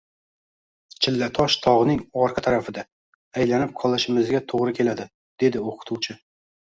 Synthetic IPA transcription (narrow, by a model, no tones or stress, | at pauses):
t͡ʃʰɪlːat̪ʰɒʃt̪ʰɒʁɨnɪŋɒɾqʰɑt̪ʰaɾafɪd̪a | ajlanɪp̚qʰɒlˠɪʃɪmɪzɡʲat̪ʰoʁɾɪkʲʰe̞lad̪ɪ | d̪̥e̞d̪ɪoqʰʊ̥t̪ʰuwt͡ʃʰɪ